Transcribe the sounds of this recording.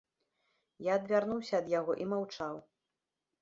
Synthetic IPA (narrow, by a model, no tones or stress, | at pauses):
jaɐd̪vʲarnuwsʲɐːd̪jaɣɔʔimawt͡ʂaw